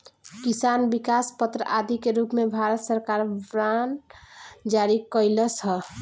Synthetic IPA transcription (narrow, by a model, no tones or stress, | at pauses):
kisanbikaspət̪ɾəʔad̪ikeɾupmebʱaɾət̪səɾkaɾbɾan | d͡ʒaɾikəɪləsʰə